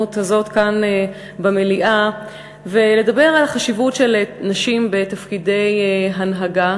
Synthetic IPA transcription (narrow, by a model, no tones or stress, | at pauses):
uthazo̞t̪kan | bemeliʔa | vele̞dabe̞ʁalaχaʃivutʃelnaʃimbe̞tafkide̞jɦanɦaɡa